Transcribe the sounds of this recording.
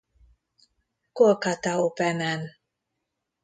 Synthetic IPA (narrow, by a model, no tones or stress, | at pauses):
kokat̪aopɛmɛn